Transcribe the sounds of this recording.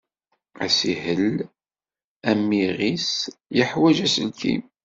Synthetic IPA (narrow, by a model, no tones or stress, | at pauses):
æ̰sihəl | æmːiʁisjəħwæʒæsəlkḭm